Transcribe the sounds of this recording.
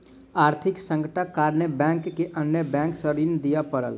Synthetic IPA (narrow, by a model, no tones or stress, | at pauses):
aɾt̪ʰiksə̃ŋkəʈəkːaɾnebɛ̃ŋkːeʔənjəbɛ̃ŋksəɾind̪ijəpəɾə̰l